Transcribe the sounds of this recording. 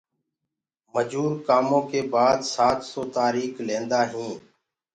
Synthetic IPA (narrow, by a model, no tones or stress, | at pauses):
məd͡ʒuːɾkaːmõːkeːbaːd̪saːt̪soːt̪aːɾiːklẽːnd̪aːɦĩː